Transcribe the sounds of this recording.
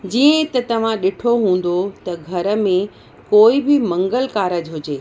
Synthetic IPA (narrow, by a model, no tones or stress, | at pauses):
d͡ʑiːə̃t̪ɐt̪ɐʋ̤ãɗɪʈʰoɦũːn̆d̪ot̪ɐɡʱɐɾə̆mẽ | koːibɪmɐ̃ŋɡəlkaːɾəd͡ʑɦʊd͡ʑeː